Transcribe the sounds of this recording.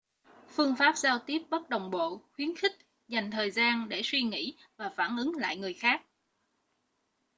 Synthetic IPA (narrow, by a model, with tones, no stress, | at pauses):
fɨ˧əŋfaː˦˥p̚zaː˧wt̪i˦˥əp̚ɓə˦˥t̚ɗə˨˩wŋ͡mɓo̰˧˨xwi˨˦ənxï˦˥k̟̚ | za˨˩jŋ̟t̪ʰəː˨˩jzaː˧nɗe˧˩swi˧ŋḭ˧˥ | vaː˨˩faː˧˩nʔɨ˨˦ŋla̰ː˧˨jŋɨ˨˩əjxaː˦˥k̚